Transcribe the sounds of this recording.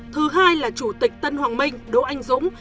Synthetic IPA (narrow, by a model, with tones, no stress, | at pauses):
t̪ʰɨ˨˦ɦaː˧jlaː˨˩t͡ɕu˧˩t̪ï˨˩k̟̚t̪ə˧nhwaː˨˩ŋmï˧ŋ̟ɗo̰˧˦ʔa˧jŋ̟zʊ̰˧˥ŋ͡m